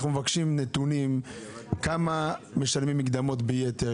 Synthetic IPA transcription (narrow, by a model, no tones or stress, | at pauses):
χnumevakʃimnet̪unim | kamame̞ʃalmimːiɡd̪amo̞tbejet̪e